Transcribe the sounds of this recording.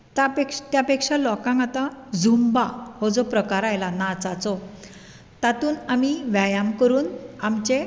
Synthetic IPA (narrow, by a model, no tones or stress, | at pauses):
t̪apekʂt̪japekʂalɔkãŋɡat̪ãd͡zʱumbahɔd͡zɔpɾəkaɾajlanat͡sat͡sɔ | t̪at̪uːnamiʋjajamkəɾuːnamt͡ɕe